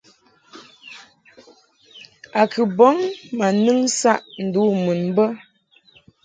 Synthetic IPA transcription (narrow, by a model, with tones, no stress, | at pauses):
a˨kə˨bɔ˨˦ŋma˨nɨ˦ŋsa˦˨ʔn̩˨du˨˦mu˨n˦bə˦